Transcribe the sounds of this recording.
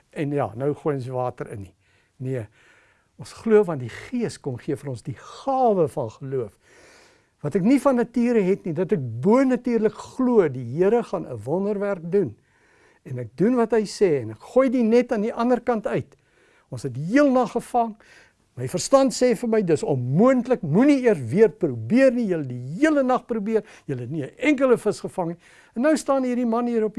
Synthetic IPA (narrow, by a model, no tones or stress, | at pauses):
ɛnjɑ̰ːnœwχujɔ̃nsvɑːtəɾʔə̰ni | niə | ɔ̃nsχluəvɐndiχiəskɔmχiəfəɾɔ̃nsdiχɑːvəfɐnχəluəf | vɐtɛknifɐnːɐtiːɾəɦɛtnidɐtɛk̚buənɐtyːrləkχluədiɦiəɾəχɑnə̰vɔndərværk̚dun | ɛnɛk̚dunvɐtɦəjsɛːɛnɛkχujdinɛtɑndiʔɐndərkɐntœɥt | ʔɔ̃nsɦɛtdiɦiəlˠnɐχːəfɐŋ | məjfərstɐntsɛːfərməjdəsɔnmuəntləkmuniiərsviərprubiərnijələdiɦiələnɐχprubiəɾ | jələɦɛtniəʔɛŋkələfəsχəfɐŋni | ɛnːəwstɑːnɦiːrdimɐnɦiːɾɔp